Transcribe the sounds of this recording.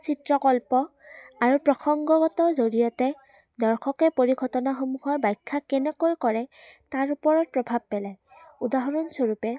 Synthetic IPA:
sitɹɔkɔlpɔaɹupɹɔxɔŋɡɔɡɔtɔzoɹijɔtɛ | dɔɹxʰɔkɛpoɹiɡʰʱɔtɔnaxomuxɔɹbajkʰːakɛnɛkojkɔɹɛ | taɹupɔɹɔt̚pɹɔbʱab̚pɛlaj | udaɦɔɹɔnsoɹupɛ

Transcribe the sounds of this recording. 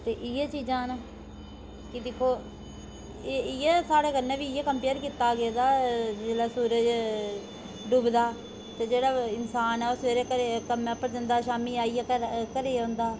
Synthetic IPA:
t̪eːʔɪjeːt͡ʃiːd͡ʒãːna | kɪd̪ɪkʰːoː | ɪjeːsaːɽeːkənẽːʋiːɪjeːkəmpeːɾkiːt̪aːɡeːd̪aːd͡ʒeːɽaːsuːɾəd͡ʒ | ɖuːbd̪aː | t̪eːd͡ʒeːɽaːɪnsaːnɛːosʋeːɾeːkəɾekəmɛ̃ːpəɾd͡ʒənd̪aːʃaːmiːaːiːaːəkəɾeːõːnd̪aː

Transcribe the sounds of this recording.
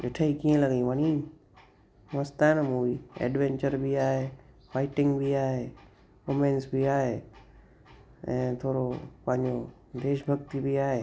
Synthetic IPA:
ʔɪʈʰaikiːẽlɐɡĩʋənĩ | ʋəst̪anmũiɛ̰ːɖʋẽːɲt͡ɕəɾbiaːɦe | faːɪʈɪ̃ŋɡbʱiaːɦeː | komẽːnsbiaːɦeː | ɛ̃ːt̪ʰoːɾopɐ̃ɦɪ̃ɲd͡ʑo | d̪eːʃbʱɐɡt̪ibiaːɦeː

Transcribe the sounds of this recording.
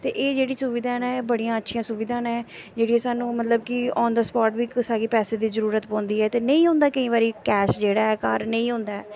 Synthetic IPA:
t̪eːʔeːd͡ʒeːɽiːsʊʋɪd̪aːnɛ̃ːbəɽijãːətːʃʰijãːsʊʋɪːd̪aːnɛ̃ːd͡ʒeːɽiːɦɛːsaːnũːmət̪ləb̚kɪɔ̃ːnd̪aːspɔːʈbiːksaːɡeːpɛːseːd̪iːzəɾuːɾət̪pɔ̃ːnd̪iːɛːt̪eːnə̃ĩːɦʊ̃nd̪aːkəĩːβaːɾiːkɛːʃd͡ʒeːɽaːɛːkaːɾnə̃ĩːɦʊ̃nd̪aːɛː

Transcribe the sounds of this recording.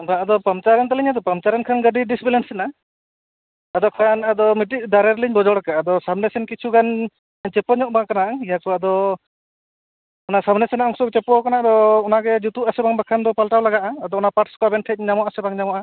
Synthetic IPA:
baad̪ɔpamt͡ʃaɾɛnt̪aliɲad̪ɔpamt͡ʃaɾɛnkʰanɡəɖiɖisbilɛnsɛna | d̪ɔkʰanad̪ɔmiʈiʔ̚d̪aɾɛɾliɲbɔd͡ʒɔɽakaad̪ɔsabnɛsɛnkit͡ʃʰuɡan | t͡ʃɛpɔɲɔʔbaŋkanaʔijakɔad̪ɔ | ɔnasabnɛsɛnaɔŋsɔk̚t͡ʃɛpɔkanad̪ɔːnaɡɛd͡ʒut̪uʔasɛbaŋbakʰand̪ɔpalʈawlaɡaʔaːd̪ɔɔnapaʈskɔbɛnʈʰɛc̚ɲamɔʔasɛbaŋɲamɔʔa

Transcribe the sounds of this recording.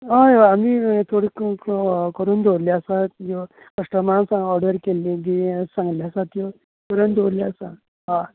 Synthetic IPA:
ɦãjoamiːt̪ʰoɽik | kəɾuːnd̪ʱoɾliəsajo | kəʂʈəmansãŋɡɔɾɖəɾkelid̪isãŋɡljasat̪jo | kəɾuːnd̪ʱoɾliasã | ɦã

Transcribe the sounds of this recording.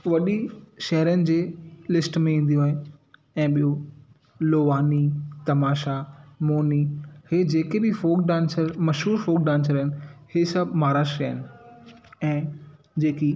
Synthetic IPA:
ʋɐɗiʃɐɦɾijənɪ̆d͡ʑeːlɪsʈmẽĩːn̆d̪iõaːɦɪn | ɛ̃ːɓijo | loːʋaːnit̪ɐmaːʃamoːniheːd͡ʑeːkebɪfoːkɖãːnsəɾmɐʃɦuːɾfoːk̚ɖãːns̬əɾɦɪnɪhesɐbʱmaːɾaːʃɾiaːɦɪnɪ̆ | ɛ̃ː | d͡ʑeːki

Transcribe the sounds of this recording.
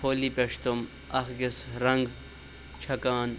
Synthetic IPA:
pʰoːlipɐʂt̪um | ɐxɡɪsɾɐŋɡ | t͡ʃʰɐkaːn

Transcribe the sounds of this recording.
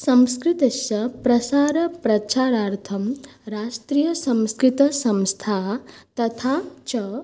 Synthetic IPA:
sɐ̃mskɾit̪ɐsjɐpɾɐsaːɾɐpɾɐt͡ʃaːɾaːɾt̪ʰɐmɾaːʂʈɾiːjɐsɐ̃mskɾɪt̪ɐsɐ̃mst̪ʰaːt̪ɐt̪ʰaːt͡ʃɐ

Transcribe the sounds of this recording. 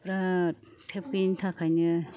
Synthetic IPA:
pɾat̪ʰepint̪ʰakʰaɲɯ

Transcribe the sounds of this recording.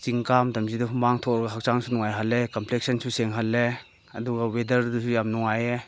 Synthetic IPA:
t͡ʃiŋkamdamzidɔɦumbaŋtʰɔkɾɔɡɐɦak̚t͡ʃaŋsunɔŋajɦalːekamplek̚sɐnsuseŋɦalːe | ɐduɡawedɐɾdusujamnɔŋaje

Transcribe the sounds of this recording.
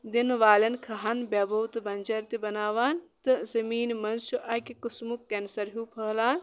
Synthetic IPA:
d̪inʋaːlɐnkʰɐɦanbʲɐbɐwt̪bɐnʲd͡ʒɐɾt̪ibɐnaːʋaːnt̪ɨzɐmiːnmɐnsuʔɐkikusmukːɐnsɐɾɦuːpʰɐːlaːn

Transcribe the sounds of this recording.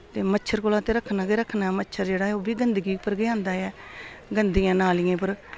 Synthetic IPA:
t̪eːmətːʃʰəɾkoːlãːt̪eːɾəkʰːnaːɡeːɾəkʰːnaːɛmətːʃʰəɾd͡ʒeːɽaːɛoːbiːɡənd̪əɡiːpəɾɡeãːnd̪aːɛːɡənd̪iːãːnaːlɪjãːpəɾ

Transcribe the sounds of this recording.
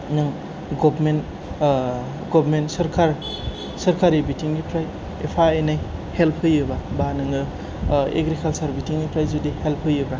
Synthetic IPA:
nɯŋ | ɡɔbmen | ɡɔbʱɾmentsɐɾkʰaɾ | sɐɾkʰaɾibitiŋɡipʰɾaj | ḛpʰaenajhelpʰhɯjɯbabanɯŋɯ | ḛɡɾikʰalsaɾbitiŋɡipʰɾajzudihelpʰhɯjɯbɾa

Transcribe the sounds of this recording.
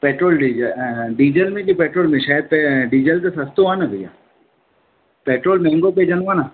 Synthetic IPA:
peːʈɾoːlɖid͡ʒəɖiːd͡ʒəlmẽkipeːʈɾoːlmẽʃaːjəd̪̚pɛɖiːd͡ʒəlk̪asɐst̪oʋaːnabʱija̰ː | peːʈɾoːlmɛ̃ːŋɡoped͡ʒɐnʋaːna

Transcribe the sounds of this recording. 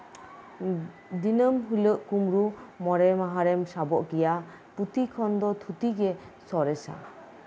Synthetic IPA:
d̪inəmɦuləʔkumɾumɔɾɛmaɦaɾɛmsabɔʔɡija | put̪ikʰɔnd̪ɔt̪ʰut̪iɡɛsɔɾɛsa̰

